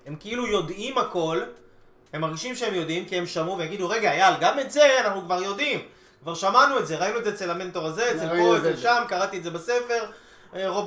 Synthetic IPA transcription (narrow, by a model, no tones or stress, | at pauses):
he̞mkeilujo̞dimako̞l | he̞mːaʁɡiʃimʃeemjo̞dimkie̞mʃamuveaɡid̪uʁe̞ɡajalɡame̞tze̞anaχnukvaʁjo̞dim | kvaʁʃamanuetze̞ʁainuezeet͡selame̞nto̞ʁaze̞eːt͡selpoeelʃamkaʁat̪ietze̞base̞fe̞ʁ | ʁo